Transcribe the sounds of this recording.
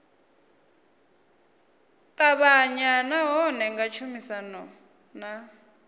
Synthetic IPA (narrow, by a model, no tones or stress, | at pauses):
tʼaβaɲanaɦɔnɛŋɡat͡ʃʰumisanɔ | na